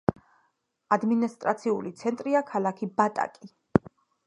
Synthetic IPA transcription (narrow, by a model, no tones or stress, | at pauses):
ad̪minist̪ʼɾat̪sʰiulit̪sʰɛnt̪ʼɾiakʰalakʰibat̪ʼa̰kʼi